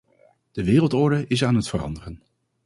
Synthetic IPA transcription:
d̥əʋɪːrəlˠtɔɹdəʔɪs̬aːnɦətfərɑ̰ndərən

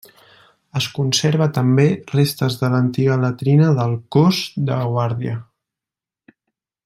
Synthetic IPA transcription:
əskunseɾβət̪əmberest̪əzðələnt̪iɣ̞ələt̪ɾinəðəlˠkozd̪əɣwaɾðiə

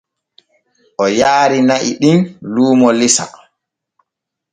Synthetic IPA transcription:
ʔɔjaːɾinaʔiɗinluːmɔlisa̰

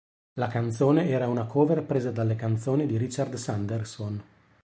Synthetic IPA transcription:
lakant̪soːneɛːɾaunakoːveɾpɾeːzad̪alːekant̪soːnid̪iɾit͡ʃard̪sand̪erson

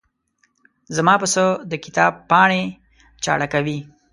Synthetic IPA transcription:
zamɑpəsəd̪əkɪt̪ɑbpɑɳe | t͡ʃɑ̰ɽakawi

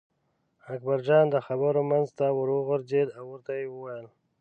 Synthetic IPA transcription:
ak̚baɾd͡ʒɑnd̪əxabəɾomanzt̪awəɾoɣʊɾzed̪awəɾt̪ajewəwajəl

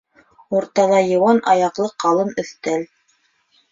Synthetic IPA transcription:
uɾt̪ɑlˠɑjɤ̆wɑnʔɑjɑqlˠɤqɑlˠɤnɵ̆θt̪æl

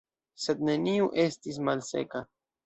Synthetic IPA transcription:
se̞dne̞niuʔe̞stis̬malse̞̰ka

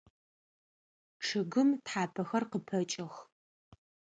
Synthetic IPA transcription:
ʈ͡ʂʰɨɡɨmtħaːpʰɐxɐrqəpʰɐt͡ʃʼɪx

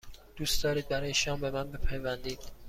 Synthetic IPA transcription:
d̪̥uːsd̪ɒːɾiːd̪̚bæɾɒːjeʃɒːmbe̞mænbepʰæjvænd̪iːd̪̥

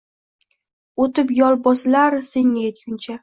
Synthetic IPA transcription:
ot̪ɪpjɒlˠbɒsɪlaɾseŋnaet̪̚kʲʊnt͡ʃʰa

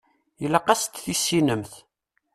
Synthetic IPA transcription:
jəlːæqɑst̪θisːinəmθ

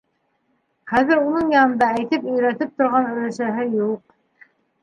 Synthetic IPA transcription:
χæðɘɾunɤɴjɑnɤ̆nd̪ɑæjt̪ɘpɵ̆jɾæt̪ɘp̚t̪ŏɾʁɑnɵ̆læʃæɦɘjuq̚

